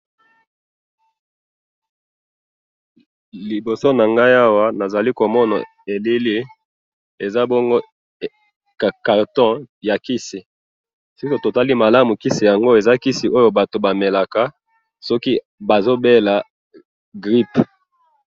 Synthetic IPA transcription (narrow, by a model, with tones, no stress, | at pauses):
li˨bo˨so˦na˨ŋɡa˦ja˦wa˦na˨za˨li˦ko˨mɔ˦na̰˨ | e˨li˦li˦ | e˨za˦bɔ˦ŋɡo˦˨ | ka˨ka˨ʁtɔ̃˦ja˨ki˦si˨ | si˦ku˨to˨ta˦li˦ma˨la˦mu˨ki˦si˨ja˨ŋɡo˦e˨za˦ki˦si˨ʔo˦jo˨ba˨to˨ba˨me˨la˨ka˨ | sɔ˦ki˦ | ba˨zo˦be˦la˨ | ɡʁi˦p